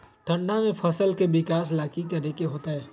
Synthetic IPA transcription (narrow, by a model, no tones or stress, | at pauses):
ʈʰə̃ɳɖamẽpʰɐsəlkebɪkaːs̬laːkikɐɾekeɦoːt̪aɦɛː